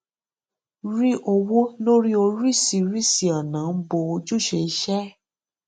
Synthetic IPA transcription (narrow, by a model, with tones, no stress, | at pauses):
ɾi˦ʔo˧wo˦lo˦ɾi˦o˧ɾi˦˨si˧ɾi˦si˨a˨nã˨˦bo˧o˧d͡ʒu˦˨ʃe˧˦ʃɛ˦